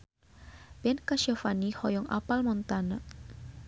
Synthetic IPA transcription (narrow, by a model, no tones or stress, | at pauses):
bɛnkaʃafanihɔjɔŋa̰palmɔnt̪anaʔ